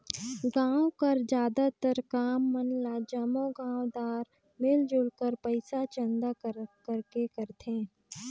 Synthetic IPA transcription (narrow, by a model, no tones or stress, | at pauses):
ɡãːwkɐɾd͡ʒjaːd̪at̪əɾkaːmːənlad͡ʒamõɡãːʋd̪aːɾ | mɪld͡ʒʊɽkəɾpəɪsat͡ʃə̃nd̪akəɾkekəɾt̪ẽː